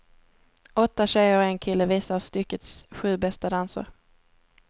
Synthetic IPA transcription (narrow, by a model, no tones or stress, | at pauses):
ʔɔt̪ːaɕɛjəɾɔɛnkʰɪlːəviːsast̪ʏkːət̪sɧʉ̟ːbɛst̪ad̪ansə̰ɾ